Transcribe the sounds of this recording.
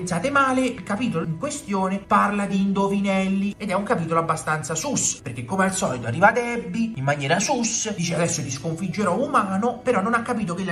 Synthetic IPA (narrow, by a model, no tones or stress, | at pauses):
ntsaːt̪emaːleilkapiːt̪oloiŋkwest̪joːneparlad̪iːnd̪ovinɛlːied̪ɛuŋkapiːt̪̬oloabːast̪ant̪sasuspeɾrk̟ekːomealsɔːlit̪oarːiːvad̪ɛbːiimːanjɛːɾasusd̪iːt͡ʃead̪ɛsːod̪iskoɱfid͡ʒːeɾɔumaːnopeɾɔnːonakːapiːt̪̬okel